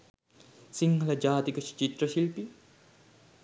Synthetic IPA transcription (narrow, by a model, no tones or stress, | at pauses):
siŋɦɐlɐd͡ʒaːt̪ikɐst͡ʃit̪ɾɐʃilpi